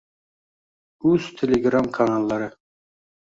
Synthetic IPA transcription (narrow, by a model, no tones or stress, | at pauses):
ɵzt̪ʰelʲeɡɾamkʰanalˠːɑɾɪ